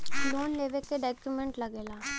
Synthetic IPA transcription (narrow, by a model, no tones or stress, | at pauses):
loːnleːʋekeɖɔːkjumẽɳʈlɐɡeːlaː